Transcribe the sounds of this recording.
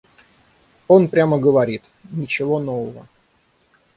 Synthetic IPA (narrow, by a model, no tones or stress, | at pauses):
o̞npɾʲaməɡəvɐɾʲit̪ | nʲɪt͡ɕɪvo̞novəvə̰